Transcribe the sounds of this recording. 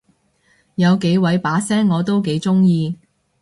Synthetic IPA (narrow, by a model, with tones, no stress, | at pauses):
jɐ˨˧wke˨˥jwɐ˨˧˥jpaː˨˥sɛː˥ŋːɔː˨˧t̪o˥wke˨˥jt͡sʊ˥ŋjiː˧